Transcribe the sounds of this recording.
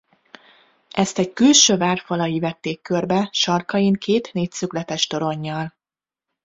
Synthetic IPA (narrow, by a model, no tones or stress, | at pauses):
ʔɛst̪ɛckylʃøːvaːrfɒlɒjivɛt̪ːeːkːørbɛʃɒrkɒjiŋkʰeːt̪neːcsyklɛt̪ɛʃt̪o̞ɾo̞ɲːɒl